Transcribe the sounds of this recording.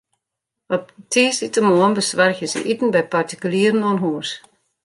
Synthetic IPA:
ɔp̚tʰiːsitəmoənbəsʋarxəzə̰ʔitn̩bɛjpartikyliəɾənɔnɦuəs

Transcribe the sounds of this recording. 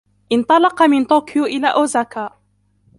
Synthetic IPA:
ʔɪnt̪ˤɑlɑqɑmɪnt̪oːkɪjuʔɪlaːʔoːzaːkaːʔ

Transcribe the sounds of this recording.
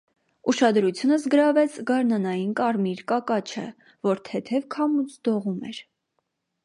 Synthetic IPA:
uʃɑd̪ɾut͡sʰjunəzɡəɾɑvɛt͡sʰɡɑɾnɑnɑjinkɑɾmiɾkɑkɑt͡ʃʰə̰ | vɔɾt̪ʰɛt̪ʰɛvkʰɑmut͡sʰd̪ɔʁumɛ̰ɾ

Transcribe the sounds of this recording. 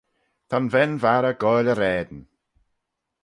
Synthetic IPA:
t̪ʰanvɛnvaɾəɡɔjləɾɛːd̪ən

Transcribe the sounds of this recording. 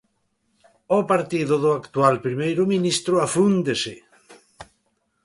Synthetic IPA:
opaɾt̪iðʊðʊakt̪ualpɾimejɾʊminist̪ɾoafund̪esɪ

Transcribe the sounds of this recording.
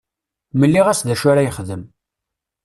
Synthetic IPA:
məlːiʁæsðæʃʊɾajəχðəm

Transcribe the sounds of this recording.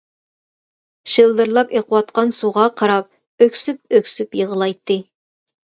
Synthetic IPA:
ʃɨlˠd̪ɨɾlˠɑpeqʰəwɑt̪̚qɑnsuʁɑqʰɑɾɑp̚ | økʲsyp̚økʲsypjəʁəlˠɑjt̪ʰːɨ

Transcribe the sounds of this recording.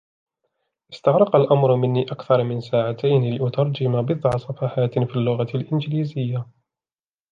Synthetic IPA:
ʔɪst̪aɣɾˤɑqalʔamɾmɪnːiːʔakθɑɾˤmɪnsaːʕat̪ajnlɪʔʊt̪ɑɾˤd͡ʒɪmabɨðˤʕɑsˤɑfaħaːt̪fiːlːʊɣalʔɪnd͡ʒɪliːzɪjːa

